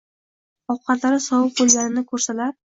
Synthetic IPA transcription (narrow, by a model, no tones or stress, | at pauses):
ɒwqʰɑt̪laɾɪsɒwʊp̚bɵlɡʲaɾɪnɪkʰɵɾsalaɾ̚